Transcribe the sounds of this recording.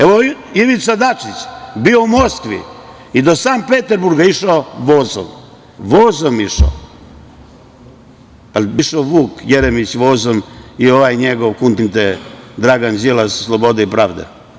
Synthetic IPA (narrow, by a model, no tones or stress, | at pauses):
eʋo | iʋit̪sad̪at͡ʂit͡ɕbio̞umoskʋḭ | id̪osaːmpet̪eɾbuɾɡaiʃaoʋozo̰m | ʋoːzomiʃo̰ | aliʃaːʋuːkjeɾemit͡ɕʋoːzomio̞ʋaːjɲeɡoʋkunt̪int̪ed̪ɾaɡanzilasslˠobo̞d̪aipɾaːʋd̪ḛ